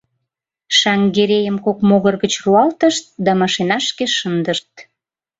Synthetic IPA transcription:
ʃɑŋɡeɾejəmkokmoɣərɣət͡ɕruɑlt̪əʃt̪̚d̪ɑmɑʃenɑʃkeʃənd̪əʃt̪

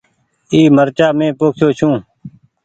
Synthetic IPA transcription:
iːməɾt͡ʃaːmẽːpoːkʰjoːt͡ʃʰũː

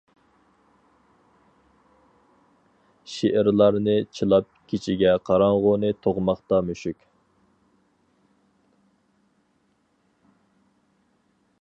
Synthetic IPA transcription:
ʃeʔɪɾlˠɑɾnɨt͡ʃʰilˠɑp̚kʲʰit͡ʃʰiɡʲɛqʰɑɾɑɴʁʊnɨt̪ʰoʁmɑχt̪ɑmøʃykʲ

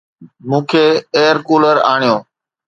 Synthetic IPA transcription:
mũːkʰeːeːəɾkuːləɾaːɳ̃ijoː

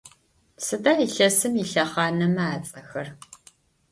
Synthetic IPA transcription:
sɨdaːiɬɐsɨmiɬɐχɑːnɐmaːt͡sʼɐxɐr

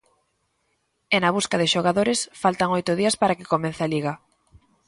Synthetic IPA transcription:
ɛnaβuskaðɪʃoɣ̞aðoɾɪsfalt̪aŋojt̪ʊðiɐspaɾakɪkomẽn̟θealiɣɐ

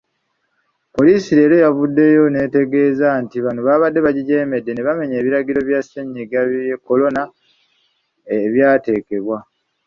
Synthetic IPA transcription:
po̞liːsiɾe̞ːɾo̞javudːe̞jo̞ne̞ːte̞ɡe̞ːzantiβanoβaβadːe̞βaɟiɟe̞ːme̞dːe̞ne̞βame̞ɲe̞ːβiɾaɡiɾo̞βjaseɲːiɡaβekːo̞lo̞na | βjaːte̞ːke̞βwa

